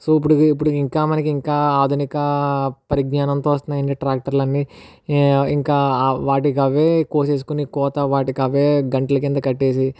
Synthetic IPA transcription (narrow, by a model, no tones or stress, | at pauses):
soːipːuɽuip̬ːuɽuiŋkaːmɐnɐkiiŋkaːaːd̪ʱunikɐpɐɾiɡ̚ɲaːnɐnt̪oːʋɐst̪undɐjɐɳɖiʈɾaːk̚ʈɐɾlɐnːi | iŋkaːʋaːʈ̬ikɐʋe̞ːkoːseːs̬u̥kunikɔːt̪ɐʋaːʈikɐʋeːɡɐɳʈɐlɐk̬int̪ɐkɐʈːe̞ːs̬i